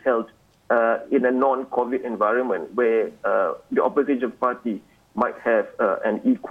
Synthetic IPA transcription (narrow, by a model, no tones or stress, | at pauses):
hɛld | ɪ̃nənɔ̃nkʰɔvitɛ̃nvaɪɹə̃nmə̃ntwɛ | diʔɔ̰pəzɪɔvpati | maɪt̚hɛvʔɛ̰̃nikʰw